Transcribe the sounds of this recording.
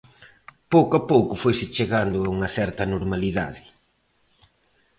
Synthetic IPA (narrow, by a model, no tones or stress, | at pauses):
powkoapowkʊfojsɪt͡ʃeɣand̪ʊauŋɐθɛɾt̪ɐnoɾmaliða̰ðɪ